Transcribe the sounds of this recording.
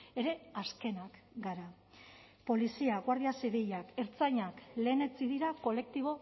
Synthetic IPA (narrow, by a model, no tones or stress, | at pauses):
e̞ɾe̞aske̞nakɡaɾa | po̞lisiaɣwaɾðiasiβiʎake̞ɾt͡sajɲakle̞ːne̞t͡siðiɾako̞le̞k̚t̪iβ̞o̞